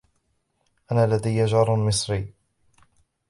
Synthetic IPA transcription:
ʔanaːlad̪ajːad͡ʒɑɾˤmɪsɾiː

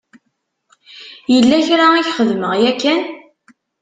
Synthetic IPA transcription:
jəlːæçɾaæʝχəðməʁjækːæn

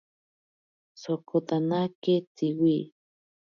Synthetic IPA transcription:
sokot̪anaket͡siwi

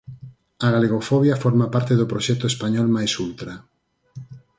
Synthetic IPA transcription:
aɣaleɣofɔβjafɔɾmapaɾt̪eðʊpɾoʃɛt̪ʊespaɲɔlmajsult̪ɾa

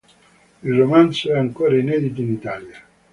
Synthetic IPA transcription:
ilromansoɛaŋkoːɾainɛd̪it̪̬oinit̪aːlja

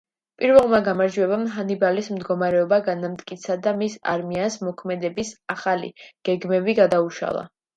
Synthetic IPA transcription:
pʼiɾvɛlˠmaɡamaɾd͡ʒuɛbamɦanibalismd̪ɡɔmaɾɛɔbaɡanamt̪ʼkʼit̪sʰad̪amisa̰ɾmiansmɔkʰmɛd̪ɛbisaχalḭɡ̥ɛɡmɛbiɡad̪auʃa̰lˠa̰

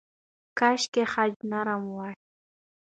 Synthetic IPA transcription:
kaʃkehaʎnaɾamwaʃ

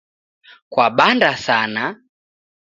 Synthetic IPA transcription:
kwaɓandasana

